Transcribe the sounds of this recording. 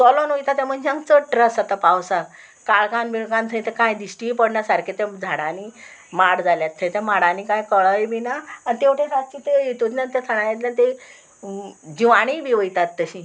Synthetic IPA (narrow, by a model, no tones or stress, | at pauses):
sɔlɔnojt̪at̪ɛm̤ənd͡ʑãŋt͡səʈɾəsat̪apawsa | kaɭkanbiɭkãnt̪ʰəj̃t̪ekajd̪iɕʈipəɽnasaɾket̪ɛ̃d͡zʱaɽani | maɽd͡zaljat̪ʰːət̪ɛmaɽanikajkəɭəjbinaant̪eʋʈʰẽsat̪̚t͡ɕit̪ejet̪ut̪nat̪et̪ʰəɽ̃ajet̪lãt̪e | d͡ʑiʋaɽ̃ibʱiʋəjt̪at̪ːəɕĩ